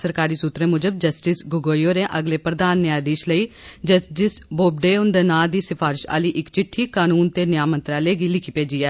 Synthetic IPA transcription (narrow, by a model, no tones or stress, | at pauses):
səɾkaːɾiːsuːt̪ɾẽːmʊd͡ʒəb̚d͡ʒəsʈɪsɡʊɡoːjoːɾẽːʔəɡleːpɾəd̪aːnːɪaːd̪iːʃləiːd͡ʒəsɪsboːb̚ɖeːʊnd̪ənaːd̪iːsɪfʰaːɾɪʃa̰ːliːʔɪkt͡ʃɪʈʰːiːkaːnuːnt̪eːnɪjaːmə̃nt̪ɾaːleːɡiːlɪkʰiːpeːd͡ʒiːɛː